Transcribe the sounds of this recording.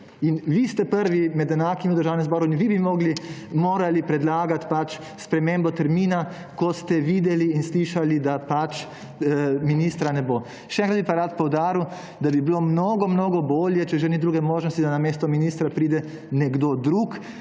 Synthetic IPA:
inʋist̪ɛpəɾʋimɛd̪ɛnaːkimiwd̪əɾʒaːwnɛmzbɔːɾuinʋibimoːɡlimoːɾalipɾɛd̪laːɡat̪pat͡ʃ | spɾɛmembɔt̪ɛɾmiːna | kɔst̪ɛʋiːd̪ɛliːnsliːʃalid̪apat͡ʃ | minist̪ɾanɛboː | ʃɛɛ̃ŋkɾad̪bipaɾat̪̚pɔwd̪aːɾiw | d̪abibilomnoːɡɔmnoːɡɔboːljɛt͡ʃɛʒɛnid̪ɾuːɡɛmoːʒnɔst̪id̪anameːst̪ɔminiːst̪ɾapɾiːd̪ɛ | nɛɡd̪od̪ɾuːk

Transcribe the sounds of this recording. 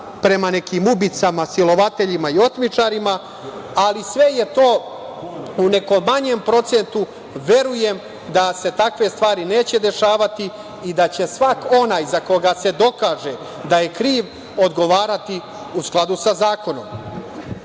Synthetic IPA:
pɾe̞mane̞kimubit̪samasilo̞ʋat̪e̞ʎimaio̞t̪mit͡ʂaɾima | alisʋe̞je̞t̪o̞ː | une̞ko̞ːaɲempɾo̞t̪se̞nt̪u | ʋe̞ɾuje̞m | d̪ase̞t̪akʋe̞st̪ʋaːɾine̞ːt͡ɕe̞d̪e̞ʃaːʋat̪i | id̪at͡ɕe̞sʋako̞naːjzako̞ɡase̞d̪o̞kaːʒe̞ | d̪aje̞kɾiːʋ | o̞d̪ɡo̞ʋaːɾat̪i | usklˠad̪usazaːko̞no̞̰m

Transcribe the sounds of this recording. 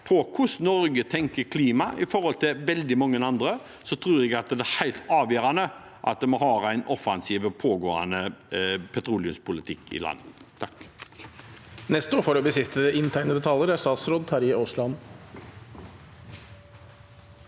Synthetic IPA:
pʰɔkʰʊsnɔɾɡət̪ʰɛŋkəɾkʰliːmɑʔɪfɔɾhɔlt̪ʰɪʋɛld̪ɪmɑŋːənɑnd̪ɾə | sɔt̪ʰɾuːɾɛɡɑt̪d̪ɛæhæɪlt̪ɑːʋjøːɾɑnə | ʔɑ̰t̪̚d̪ɛmɔɦɑːɾæɪnɔfɑnsiːʋɔpʰoːɡoːɑ̰nəpʰɛt̪ʰɾuːlɪʉmspʰʊlɪt̪ʰɪkːɪ̰lʔɑ̰nːət̪ʰɑk | nɛst̪oːfɔɾɔbɪsɪst̪əɪnt̪ʰæɪnəd̪ɛt̪ʰɑləɾæst̪ɑːt̪sɾoːd̪̚t̪ʰɑɾɪoːʂlɑn

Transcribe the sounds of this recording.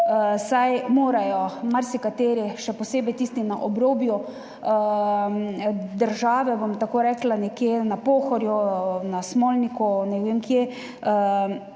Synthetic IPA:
sajmoːɾajɔmaɾsikat̪eːɾiʃɛpɔseːbɛjt̪iːst̪inaʔɔbɾoːbju | d̪əɾʒaːʋɛbɔmt̪akoːɾɛklanɛkjenapoːxɔɾjunasmoːlnikunɛʋemkje

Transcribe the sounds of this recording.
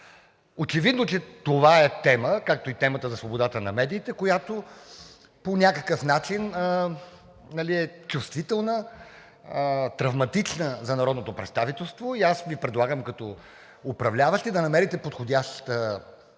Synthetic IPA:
ot͡ʃɛvid̪not͡ʃɛt̪ovaɛt̪ɛməkak̚t̪oit̪ɛmət̪əzɐsvobod̪at̪ənɐ̰mɛd̪iːt̪ɛkojat̪o | ponʲakəkəfnat͡ʃinə | nɐliɛt͡ʃust̪vit̪ɛlˠnə | t̪ɾɐvmɐt̪it͡ʃnəzɐnɐɾɔd̪not̪opɾɛt̪st̪avit̪ɛlˠst̪voiasvipɾɛd̪lˠaɡəmkɐt̪ɔ | ʊpɾɐvlʲavəʃt̪ɛd̪ɐnɐmɛɾit̪ɛpot̪xodʲaʃt̪ə

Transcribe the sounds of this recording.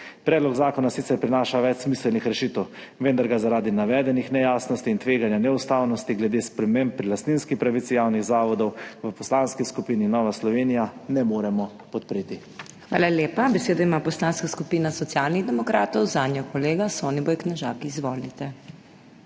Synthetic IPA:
pɾɛːd̪lɔɡzaːkɔnasit̪sɛɾpɾinaːʃaʋɛt͡ʃsmisɛlnixɾɛʃit̪w | ʋɛnd̪aɾɡazaɾaːd̪inaʋɛːd̪ɛnixnɛjaːsnɔst̪iːnt̪ʋeːɡanjanɛust̪aːwnɔst̪iɡlɛd̪eːspɾɛmempːɾilast̪ninskipɾaʋit̪sijawniɣzaːʋɔd̪ɔwʋəpɔslaːnskiskupiːninɔːʋaslɔʋeːnijanɛmoːɾɛmɔ | pɔt̪̚pɾeːt̪i | xʋa̰ːlaleːpabɛseːd̪ɔimapɔslanskaskupinasɔt̪sjalniɣd̪ɛmɔkɾaːt̪ɔwzaːnjɔkɔleːɡasɔːnibɔjknɛʒaːkiːzʋɔːlit̪ɛ

